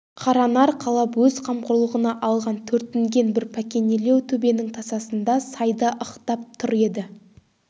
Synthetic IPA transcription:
qʰɑɾɑnɑɾqʰɑlˠɑpwɵzqʰɑmqʊɾlˠəʁənɑʔɑlˠʁɑnt̪ʰɵɾt̪ːɪŋɡʲe̞nbɪɾpʰækʲe̞nele̞wt̪ʰɵbe̞nɪŋt̪ʰɑsɑsənd̪ɑsɑjd̪ɑʔəqt̪ɑp̚t̪ʰʊɾe̞d̪ɪ

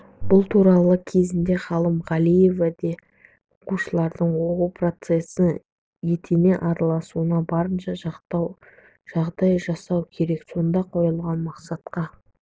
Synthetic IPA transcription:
b̥ʊlˠt̪ʰuɾɑlˠəkʲʰe̞zɪnd̪e̞χɑlˠəmʁɑlˠije̞vad̪e̞ | oquʃəlˠɑɾd̪əɴwo̞qupro̞t̪se̞sɪ | je̞t̪ʰene̞ʔɑɾɑlˠɑsuənɑbɑɾənʃɑʒɑqt̪ɑw | ʒ̥ɑʁd̪ɑjʒɑsɑwkʲʰe̞ɾe̞kso̞nd̪ɑqʰo̞jəlˠʁɑnmɑqsɑt̪qɑ

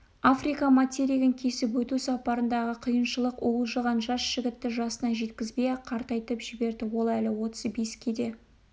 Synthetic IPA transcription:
afrijkɑmat̪ʲeɾiɡʲɪŋkʲʰe̞sɪpwɵt̪usɑpɑɾənd̪ɑʁəqʰijənʃəlˠəqolˠʒəʁɑnʒɑsʒ̥ɪɡʲɪt̪ːɪʒɑsənɑʒe̞t̪kʲɪzbejqʰɑɾt̪ɑjt̪əpʒ̥ɪbe̞ɾd̪ɪwo̞lˠælɪwo̞t̪ə̥zbeskʲʰed̪e̞

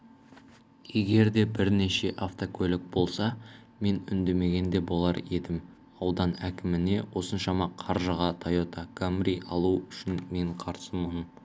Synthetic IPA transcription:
je̞ɡʲe̞ɾd̪e̞bɪɾne̞ʃe̞ʔaft̪okʲʰɵlɪk̚bo̞lˠsɑ | me̞nʏ̰nd̪e̞me̞ɡʲe̞nd̪e̞bo̞lˠɑɾe̞d̪ɪm | ɑwd̪ɑnækʲɪmɪne̞wo̞sənʃɑmɑqʰɑɾʒəʁɑt̪ʰɑjot̪ɑɡ̥amɾiʔɑlˠuʏʃɪnme̞ɴqʰɑɾsəməm

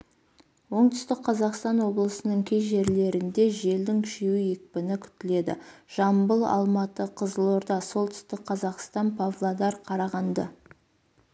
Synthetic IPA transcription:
wo̞ɴt̪ʏ̥st̪ɪk̚qʰɑzɑqst̪ɑnwo̞blˠəsənəŋkʲʰejʒe̞ɾle̞ɾɪnd̪e̞ʒe̞ld̪ɪŋkʲʰɪʃewɪje̞k̚pɪnɪkʲʰʏ̥t̪ɪle̞d̪ɪ̰ʒ̥ɑmbəlˠɑ̰lˠmɑt̪əqʰəzəlˠoɾd̪ɑso̞lˠt̪ʰʏ̥st̪ɪk̚qʰɑzɑqst̪ɑnpʰavlˠad̪ɑɾqʰɑɾɑʁɑnd̪ə̰

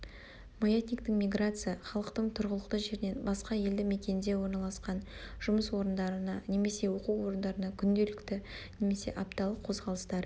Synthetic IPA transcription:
mojet̪ʲnʲijkt̪ɪŋmʲijɡrat̪sɨjaχɑlˠəqt̪əɴt̪ʰʊɾʁəlˠəqt̪əʒe̞ɾɪne̞nbɑsqɑje̞ld̪ɪme̞kʲe̞nd̪e̞wo̞ɾnɑlˠɑsqɑnʒ̥ʊməswo̞ɾənd̪ɑɾənɑne̞me̞se̞wo̞quwwo̞ɾənd̪ɑɾənɑkʲʰʏnd̪e̞lɪkt̪ɪ | ne̞me̞se̞̰ʔɑpt̪ɑlˠəqʰːo̞zʁɑlˠəst̪ɑɾ

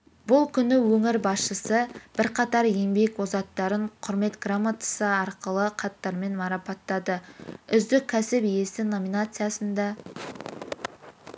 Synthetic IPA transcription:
bʊlˠkʲʰʏnɪwɵŋɪɾbɑsʃəsəb̥ɪɾqʰɑt̪ɑɾje̞mbe̞kwo̞zɑt̪ːɑɾəɴqʰʊɾme̞t̪ɡ̥ramːat̪ə̥səɑɾqəlˠəqʰɑt̪ːɑɾme̞nmɑɾɑpɑt̪ːɑd̪əʏzd̪ɪkʲʰːæsɪpije̞sɪno̞minat̪sɨjasənd̪ɑ

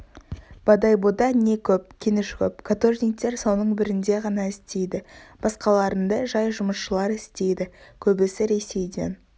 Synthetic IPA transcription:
b̥ɑd̪ɑjbod̪ɑne̞kʲʰɵp̚kʲʰenɪʃkʲɵp̚kʰat̪o̞rnʲik̚t̪e̞ɾsownəɴbɪɾɪnd̪e̞ʁɑnɑɪst̪e̞jd̪ɪb̥ɑsqɑlˠɑɾənd̪ɑʒɑjʒʊməsʃəlˠɑɾɪst̪e̞jd̪ɪkʲʰɵbɪsɪɾe̞se̞jd̪ḛn

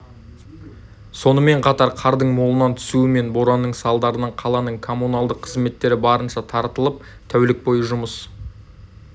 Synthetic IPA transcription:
so̞nəme̞ɴqʰɑt̪ɑɾqʰɑɾd̪əɴmo̞lˠənɑnt̪ʰʏ̥suɪme̞nboɾɑnːəɴsɑlˠd̪ɑɾənəɴqʰɑlˠɑnəɴkʰo̞mːunɑlˠd̪əqʰːəzme̞t̪ːe̞ɾɪbɑɾənʃɑt̪ʰɑɾt̪əlˠəp̚ | t̪ʰæwlɪk̚bo̞jəʒʊməs

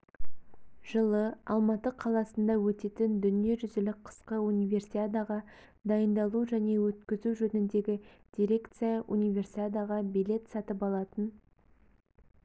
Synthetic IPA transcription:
ʒ̥əlˠəɑ̰lˠmɑt̪əqʰɑlˠɑsənd̪ɑwɵt̪e̞t̪ɪnd̪ʏnije̞ʒʏzɪlɪk̚qʰə̥sqəunijvʲe̞rsiad̪ɑʁɑ | d̪ɑjənd̪ɑlˠuʒæne̞wɵt̪kʲɪzuʒɵnɪnd̪e̞ɡʲɪd̪̥ʲiɾʲe̞kt̪sɨjɑʔunijvʲe̞rsiad̪aʁɑbijle̞t̪sɑt̪əpɑlˠɑt̪ən

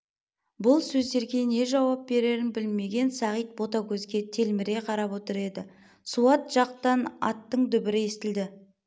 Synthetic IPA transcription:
bʊlˠsɵzd̪e̞ɾɡʲe̞ne̞ʒɑwɑp̚be̞ɾe̞ɾɪnbɪlme̞ɡʲe̞nsɑʁijt̪̚bo̞t̪akʲʰɵzɡʲe̞t̪ʰe̞lmɪɾe̞qʰɑɾɑpwo̞t̪əɾe̞d̪ɪ | suɑt̪ʒ̥ɑqt̪ɑnɑ̰t̪ːəɴd̪ʏbɪɾɪest̪ɪld̪ɪ

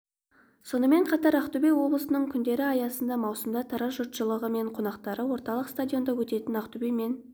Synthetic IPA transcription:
so̞nəme̞ɴqʰɑt̪ɑɾɑqt̪ubejwo̞blˠəsənəɴkʲʰʏnd̪e̞ɾɪɑjɑsənd̪ɑmɑwsəmd̪ɑt̪ʰɑɾɑʒʊɾt̪ʃəlˠəʁəme̞ɴqʰo̞nɑqt̪ɑɾəwo̞ɾt̪ɑlˠəqst̪adʲijo̞nd̪ɑwɵt̪e̞t̪ɪnɑqt̪ubeme̞n

